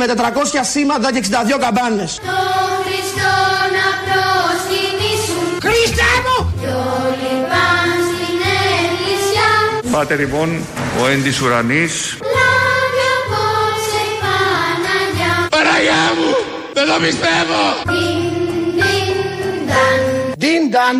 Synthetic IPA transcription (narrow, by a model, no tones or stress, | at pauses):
met̪et̪ɾɐko̞sçɐsimɐnðɐceksind̪ɐðʝokɐbɐnːest̪oxɾist̪onɐpɾosinisuxɾist̪emuolipɐnsineɾisjafɐt̪elipon | oend̪isuɾanis | laβjaposepanaʎapaɾajaβu | beðoβispeðoid̪ind̪and̪ind̪an